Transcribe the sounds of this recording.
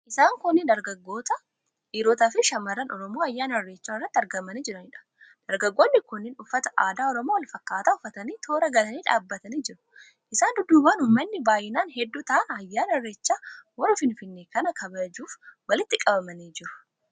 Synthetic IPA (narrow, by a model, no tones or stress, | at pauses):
ʔɪsaːŋkʊnːɪnd̪ɐɾɡɐɡːo̞ːt̪ɐ | ʔiːɾoːt̪aːfɪʃɐmɐrːɐnɔɾɔmo̞ːɐjːaːnɐrːeːt͡ʃːaːɪrːɐt̪ːɐɾɡɐmɐniːd͡ʒɪɾɐnɪᶑɐ̥ | d̪̥ɐɾɡɐɡːo̞ːnːɪkʊnːɪnʊfːɐt̪ɐ̥ʔaːd̪aːɔɾɔmoːwɐlfɐkːaːt̪aʊfːɐt̪ɐniːt̪ʰo̞ːɾɐɡɐlɐniːᶑaːbːɐt̪ɐniːd͡ʒɪɾʊ̥ | ʔɪsaːnd̪ʊd̪ːuːbaːnʊːmɐnːɪbaːjɪnaːnhɛd̪ːuːt̪ɐʔɐnɐjːaːnɐrːeːt͡ʃːaːwɐrɐfɪnfɪnːeːkɐnɐkʰɐbɐd͡ʒuːfwɐlɪt̪ːɪkʼɐbɐmɐniːd͡ʒɪɾʊ̥